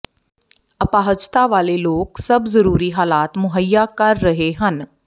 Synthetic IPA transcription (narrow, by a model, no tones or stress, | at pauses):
ɐpaːɦəd͡ʒt̪aʋaːleloːksɐbzɐɾuːɾiɦaːlaːt̪mʊɦəjːakɐɾːɐɦeɦən